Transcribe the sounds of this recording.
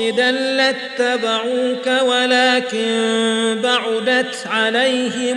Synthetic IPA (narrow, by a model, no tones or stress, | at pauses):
ɪd̪alːat̪ːabaʕuːkawalaːkɪnbaʕʊd̪at̪ʕalajhɪ